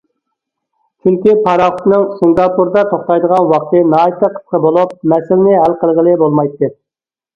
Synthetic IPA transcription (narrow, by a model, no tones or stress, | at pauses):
t͡ʃʰyŋkʲipʰɑɾɑχʊt̪nɨŋsɨŋɡɑpuɾd̪ɑt̪ʰoχt̪ɑjd̪əʁɑnwɑqt̪ɨnɑːit̪ɛqʰːə̥sqəbolˠup̚mɛsɪlɪnɪɦælqəlˠʁəlˠɨbolˠmɑjt̪ːɨ